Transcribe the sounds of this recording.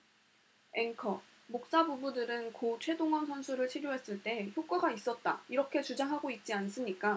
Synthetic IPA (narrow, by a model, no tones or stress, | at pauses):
e̞ŋkʰʌ | mok̚s͈abubudɯɾɯnkot͡ɕʰwe̞doŋɦʌnsʰʌnsʰuɾɯɭt͡ɕʰiɾjoɦe̞s͈ɯɭt͈e̞çjok͈waɡais͈ʌt̚t͈aiɾʌkʰe̞t͡ɕud͡ʑaŋɦaɡoit̚t͡ɕ͈ians͈ɯɲik͈a